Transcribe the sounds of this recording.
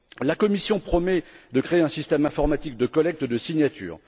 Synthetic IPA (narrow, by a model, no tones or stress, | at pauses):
lakɔmisjɔ̃pχɔmɛd̪əkχeeɛ̃sist̪ɛmɛ̃fɔʁmat̪ik̚d̪əkɔlɛk̚t̪d̪əsiɲjat̪ʰy̰ːʁ